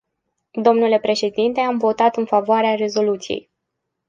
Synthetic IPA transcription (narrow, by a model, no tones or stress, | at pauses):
d̪o̞mnule̞pɾe̞ʃe̞d̪int̪e̞amvo̞t̪at̪ɨnfavoaɾeare̞zo̞lut̪sijḛj